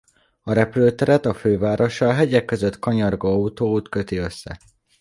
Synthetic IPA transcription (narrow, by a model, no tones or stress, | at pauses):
ɒɾɛpløːt̪ɛɾɛt̪ɒføːvaːɾo̞ʃɒːɦɛɟɛkːø̞zø̞t̪kɒɲɒrɡɒɒut̪oːut̪kø̞t̪iø̞sːɛ̰